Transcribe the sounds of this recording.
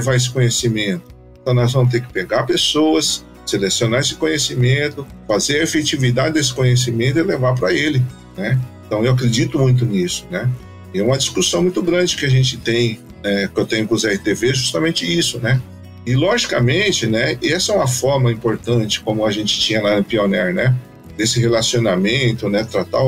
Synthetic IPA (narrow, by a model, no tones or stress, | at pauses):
levaes̬ɪ̥kõɲesimẽnt̪ʊ̥̃t̪ɐ̃w̃nɔzvɐ̃m̃ʊt̪̬eɾkɪ̥peɡaɾpesowɐs | selesionaesɪ̥kõɲesimẽnt̪ʊfazeɾɐefet͡ʃivid̪ad͡ʒɪd̪esɪ̥kõɲes̬imẽnt̪ʊɪlevaɾp̬ɾɐelɪ | nɛẽt̪ɐ̃w̃ewakɾed͡ʒit̪ʊmũj̃t̪̬ʊnisʊ̥nɛ | ɛũmɐd͡ʒiskusɐ̃w̃mũj̃t̪ʊɡɾɐ̃d͡ʒɪkɪaʒẽnt͡ʃɪt̪ẽj̃ | nɛkewt̪ẽjɲʊkõzɛhit̪eveʒust̪ɐmẽnt͡ʃɪisʊnɛ | ɪlɔʒikɐmẽt͡ʃɪnɛɛsɐɛũmɐfɔɾmɐĩpoɾt̪ɐ̃nt͡ʃɪ̥kõmʊɐʒẽnt͡ʃɪ̥t͡ʃĩɲɐlanʊpionɛɾnɛ | d̪esɪɦelasionamẽnt̪ʊnɛt̪ɾat̪a